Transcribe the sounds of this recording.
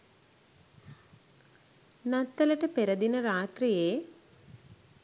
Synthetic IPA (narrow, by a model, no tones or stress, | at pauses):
nɐt̪ːɐlɐʈɐpeɾɐd̪inɐɾaːt̪rijeː